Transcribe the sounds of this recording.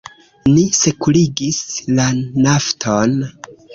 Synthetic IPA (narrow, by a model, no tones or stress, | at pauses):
nise̞kuliɡislanaftʰon